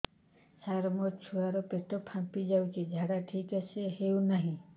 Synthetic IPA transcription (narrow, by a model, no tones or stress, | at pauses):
saɾmɔt͡ʃʰuaɾɔpeʈɔpʰãmpid͡ʒawt͡ʃʰid͡ʒʱaɽaʈʰikaseɦewnaɦĩ